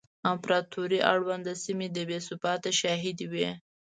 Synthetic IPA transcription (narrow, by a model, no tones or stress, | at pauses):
ampɾɑt̪oɾiʔa̰ɽwand̪əsimed̪əbesʊbɑt̪aʃɑɦid̪wi